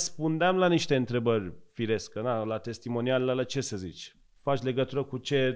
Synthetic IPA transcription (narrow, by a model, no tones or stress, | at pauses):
spund̪eamlaniʃt̪e̞ɨnt̪ɾe̞bərʲfiɾe̞skənalat̪e̞st̪imo̞nialelelat͡ʃe̞səzit͡ʃʲ | fat͡ʃʲle̞ɡət̪uɾəkut͡ʃe̞